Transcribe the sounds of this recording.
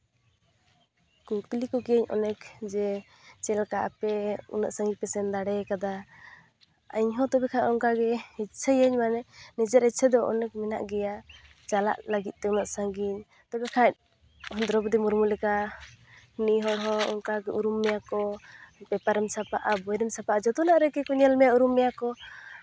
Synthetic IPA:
kuklikɔkɛəɲɔ̰nɛkd͡ʒɛ | t͡ʃɛlkaʔa̰pɛṵnaʔsãŋɡipɛsɛnd̪aɽɛkad̪a | aɲɦɔ̃t̪ɔbɛkʰãʔɔŋkaɡɛit̚sʰəjəɲmanɛnɛd͡ʒaɾit̪̚sʰɛd̪ɔʔɔ̰nɛk̚mɛna̰ʔɡɛja | t͡ʃala̰ʔləɡit̪̚ˀt̪ɛunaʔsaŋɡiɲ | t̪ɔbɛkʰat̚ | hɔnd̪ɾɔbd̪imuɾmulɛka | niɦɔɽɦɔɔ̰ŋkaɡɛʔuɾumːɛjakɔpɛpaɾɛmsapaʔabɔjɾɛmsapaʔad͡ʒɔt̪ɔnaʔɾɛkɛkɔɲɛlmɛjauɾumːɛjakɔ

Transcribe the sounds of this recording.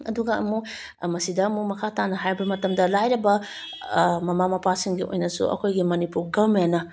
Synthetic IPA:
ɐ̰duɡɐɐmu | mɐsidɐɐmumɐkʰatanɐɦajbɐmɐtɐmdɐlajɾɐbɐ | mɐmamɐpasiŋɡiʔo̰jnɐsṵʔɐ̰kʰojɡimɐnipuɾɡɐvmenːɐ

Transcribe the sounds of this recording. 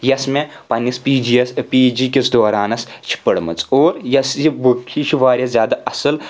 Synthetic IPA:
jɐsme | pɐnʲispiːd͡ʒiɐspiːd͡ʒikʲit͡sd̪oːɾaːnɐst͡ʃʰi̥pəɽmɨ̰t͡soːɾjɐsjibukʲʰit͡ʃʰiʋaːɾʲɐszʲjaːd̪aɐsɨl

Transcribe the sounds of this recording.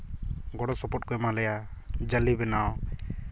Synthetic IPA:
ɡɔɽɔsɔpɔʈ̚kɔɛmalɛja | d͡ʒalibɛnaw

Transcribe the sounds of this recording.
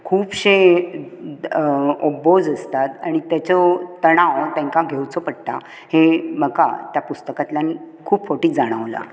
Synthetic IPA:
kʰuːpɕe | obod͡zəst̪at̪aɽ̃it̪jat͡ɕɔt̪əɽ̃ãʋt̪ẽŋkaɡʱewt͡sɔpəɽ̚t̪a | hem̤əka̰t̪japust̪əkat̪lamiː | kʰuːpfoʈiːt͡sd͡zaɽ̃əʋla̰

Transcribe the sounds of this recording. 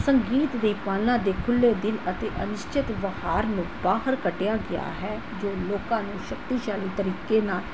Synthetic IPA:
səŋɡiːt̪d̪iːpaːlãːd̪eːkʰʊlːeːd̪ɪlət̪eːʔənɪʃt͡ʃɪt̪ʋəhaːɾnũːbaːɦəɾkəʈɪjaːɡɪja̰ːɦɛː | d͡ʒoːloːkãːnũːʃək̚t̪iːʃaːliːt̪əɾiːkeːnaːl

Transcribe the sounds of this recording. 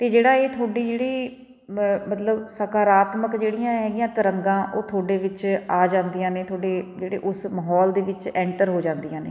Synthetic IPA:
t̪eːd͡ʒeːɽaːeːt̪ʰoːɖiːd͡ʒeːɽiː | mət̪ləbsəkaːɾaːt̪məkd͡ʒeːɽɪjãːɦɛːɡɪjãːt̪əɾəŋɡãːʔoːt̪ʰoːɖeːʋɪt͡ʃaːd͡ʒãːnd̪ijãːneːt̪ʰoːɖeːd͡ʒeːɽḛːʔʊsməɦɔːld̪eːʋɪt͡ʃɛ̃ːɳʈəɾɦoːd͡ʒãːnd̪ijãːnḛː

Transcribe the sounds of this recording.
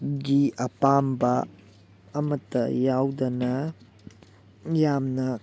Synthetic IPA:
d͡ʒiʔɐpaːmbaː | mɐt̪ːɐ̰jaːwd̪ɐnɐ | jaːmnɐ

